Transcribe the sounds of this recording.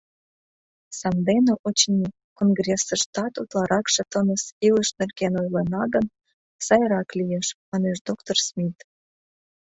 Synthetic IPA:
sɑmd̪enĕʔot͡ɕnʲi | konɡrʲesəʃt̪ɑt̪ut̪lɑɾɑkʃə̆t̪ənəsiləʃnĕlkenojlenɑɡən | sɑjɾɑklijeʃmɑneʃd̪okt̪orsmʲit̪

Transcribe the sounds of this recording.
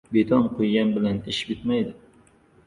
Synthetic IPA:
bet̪ʰɑnqʰojɡʲɛnbɪlɛnɪʃbɪt̪mɛjd̪ɪ

